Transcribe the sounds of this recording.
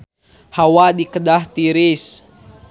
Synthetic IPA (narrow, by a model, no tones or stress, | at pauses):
hawadikədaht̪iɾis